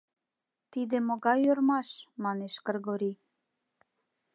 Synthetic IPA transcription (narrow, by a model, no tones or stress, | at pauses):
t̪id̪ĕmoɣɑjørmɑʃmɑneʃkərɣoɾi